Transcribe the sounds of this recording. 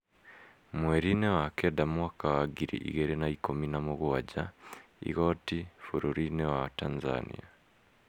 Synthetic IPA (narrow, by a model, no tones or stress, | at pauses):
mwɛɾinɛwakɛdamuakawaɡiɾḭʔḭɣɛɾɛnaikɔminamɔɣuwad͡ʒaḭɣɔtifuɾuɾinɛwatanza̰nḭa